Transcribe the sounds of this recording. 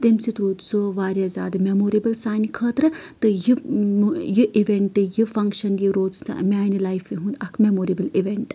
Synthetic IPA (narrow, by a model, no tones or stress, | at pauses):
t̪emsit̪ɾuːt̪soʋaːɾjɐzʲa̰ːd̪ɨmemoːɾibɐlsaːnikʰəːt̪ɾɨt̪ɨji | jɨʔiʋeɳʈɨjifɐŋkʃɐnjiɾoːz̰maːnilaːjfʋiɦũːnd̪ɐkʰmemoːɾibɐliʋeɳʈ